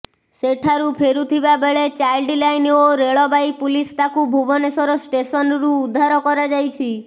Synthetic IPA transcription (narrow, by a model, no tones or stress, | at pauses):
seʈʰaɾupʰeɾut̪ʰibabeɭet͡ʃajlɖilajnoɾeɭɔbajpulist̪akubʱubɔnesɔɾɔsʈesɔnɾuːd̪ʱːaɾɔkɔɾɔd͡ʒajt͡ʃʰi